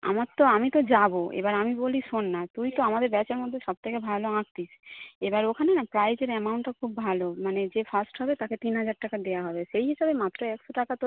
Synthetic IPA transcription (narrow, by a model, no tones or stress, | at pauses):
a̰maɾt̪oamit̪od͡ʑaboʔḛbaɾamiboliʃonːat̪ujt̪oamad̪eɾbɛt͡ɕeɾmod̪ʱːeʃɔb̚t̪ʰekebʱaloãk̚t̪iʃebaɾokʰanenapɾajd͡ʑeɾɛmawɳʈakʰubːʱalomaned͡ʑefasʈɦɔbet̪aket̪inɦad͡ʑaɾʈakad̪ejaɦɔbeʃejɦiʃabemat̪ːɾoɛkʃoʈakat̪o